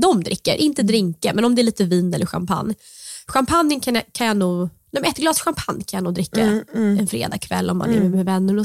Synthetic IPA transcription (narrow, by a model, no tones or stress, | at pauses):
d̪ɔmd̪ɾɪkːə̰ɾʔɪnt̪əd̪ɾɪŋkamɛnɔmd̪ɛæɾɭiːt̪əviːnɛlːəɧa̰mpʰa̰nː | ɧampʰanjənkʰankʰanjanuːɡnɛmɛt̪ɡlɑːsɧampʰanjkʰanjanuːd̪ɾɪkːaɛnfɾḛːd̪ɑ̰ːkʰvɛ̰lːɔmːa̰ɛɾʉmɛvɛnːəɳɔ